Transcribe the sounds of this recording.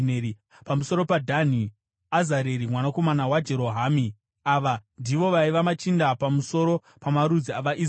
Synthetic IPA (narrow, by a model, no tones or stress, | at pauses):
neɾi | pamuso̞ɾo̞padʱan̤i | azaɾeɾimwanako̞manawad͡ʒe̞ɾo̞ɦaːmi | aʋandiʋo̞ʋaiʋamat͡ʃindapamuso̞ɾo̞ | pamaɾud͡ziaʋaʔi